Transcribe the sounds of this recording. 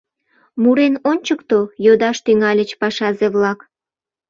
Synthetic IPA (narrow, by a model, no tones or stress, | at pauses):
muɾenonʲt͡ɕəkt̪ojod̪ɑʃt̪yŋɑlʲət͡ɕpɑʃɑzeβlɑk